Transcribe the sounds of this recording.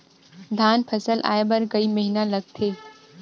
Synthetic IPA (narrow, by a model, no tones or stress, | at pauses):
d̪ʱaːnpʰəsəlʔa̰ːjebɐɾkɐiməɦinãlɐɡ̚t̪ʰeː